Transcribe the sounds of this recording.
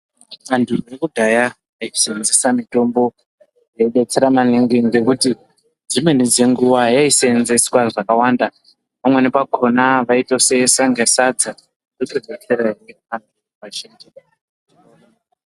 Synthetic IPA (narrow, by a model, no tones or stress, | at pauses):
ŋ͡ǀandurekuɡʱajaː | isend͡zesamito̞mbo̞ | jeɓe̞t͡seɾamaniŋɡiŋɡe̞kuti | d͡zimwe̞nid͡ze̞ŋɡuʋajaisenzeswaʐakawaːnda | pamwe̞nepakʰo̞naʋaitosesaŋɡasad͡za | kukeɡʱet͡seɾaie | anu | ʋaʃendia